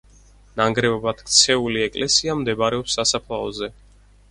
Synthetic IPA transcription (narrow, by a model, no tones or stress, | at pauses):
naŋɡɾɛbɔbat̪k̚ʰʼt̪sʰɛuliɛkʼlɛsiamd̪ɛbɾɛɔpsasapʰlˠaɔzɛ